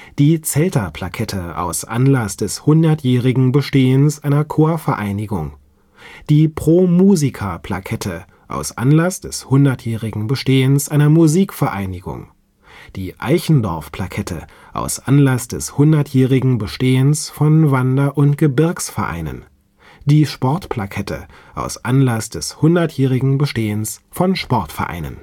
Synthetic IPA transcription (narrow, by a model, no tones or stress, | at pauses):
d̥iːt͡sɛltɐpʰlakʰɛtʰəʔa̰ʊsʔa̰nlasd̥ɛshʊndɐtjɛːʁɪɡŋ̩bəʃteːənsʔaɪnɐkʰoːɐfɛɐʔaɪnɪɡʊŋ | d̥iːpʁ̥oːmuːzikʰapʰl̥a̰kʰɛtʰə | ʔa̰ʊsʔa̰nlasd̥ɛshʊndɐtjɛːʁɪɡŋ̩bəʃteːənsʔaɪnɐmuziːkfɛɐʔaɪnɪɡʊ̰ŋ | d̥iːʔa̰ɪçn̩dɔɐfpʰl̥akʰɛtʰə̰ | ʔa̰ʊsʔanlasd̥ɛshʊndɐtjɛːʁɪɡŋ̩bəʃteːənsfɔnvandɐʔʊntɡ̥əbɪɐksfɛɐʔa̰ɪnə̰n | d̥iːʃpɔɐtpl̥akʰɛtʰə̰ | ʔa̰ʊsʔanlasd̥ɛshʊndɐtjɛːʁ̞ɪɡŋ̩bəʃteːənsfɔnʃpɔɐtfɛɐʔa̰ɪnə̰n